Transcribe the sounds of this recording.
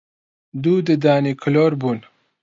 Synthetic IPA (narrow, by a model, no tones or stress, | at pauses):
d̪ud̪əd̪ɑːnikʰloɾbun